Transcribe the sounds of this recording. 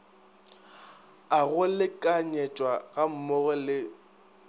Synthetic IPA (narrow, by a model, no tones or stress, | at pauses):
aɣʊlɪkʼaɲɛtʼwaɣam̩mʊɣɛlɪ